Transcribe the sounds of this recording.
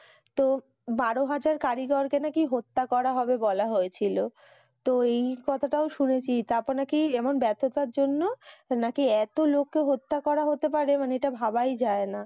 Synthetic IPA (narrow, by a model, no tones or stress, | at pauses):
t̪o | baɾoɦad͡ʑaɾkaɾiɡɔɾkenakiɦot̪ːakɔɾaɦɔbebɔlaɦoet͡ɕʰilo | t̪oejkɔt̪ʰaʈaoʃunet͡ɕʰit̪aɾpɔɾnakiɛmonbɛt̪ʰot̪aɾd͡ʑonːonakiɛt̪olokːeɦot̪ːakɔɾaɦot̪epaɾemaneeʈabʱabajd͡ʑaena